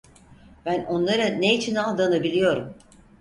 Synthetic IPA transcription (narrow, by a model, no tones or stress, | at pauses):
b̥æno̞nlˠaɾaneit͡ʃʰinalˠd̪anabilʲijo̞ɾum